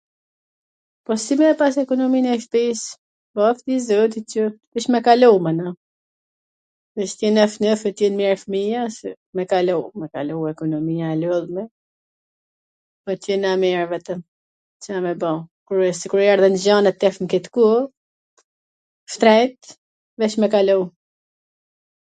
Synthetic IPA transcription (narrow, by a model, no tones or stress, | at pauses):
pɔst̪imɛɛpas̬ɛkɔnɔminɛfpis | bɔaft̪izɔt̪̬icə | əʃmɛkalɔwməna | əʃt̪jɛnɛfnəfət̪jɛnmjɛɾfmijasɛ | mɛkalɔwmɛkalɔwɛkɔnɔmiaɛluðˠmɛ | pɔt̪jɛnamɛɾvɛt̪əm | t͡ʃamɛbakuɾsikuɾɛɾðɛnʒanət̪ːɛfmkɛt̪ku | ft̪ɾɛt̪ | vɛʃmɛkalɔw